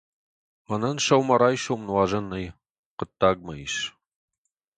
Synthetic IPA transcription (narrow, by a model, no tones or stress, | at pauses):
mɐnɐnʃɐwmɐɾaːjʃowmnwɑːʒɐnːɐj | qətʰːaːɡ̚mɐjiʃ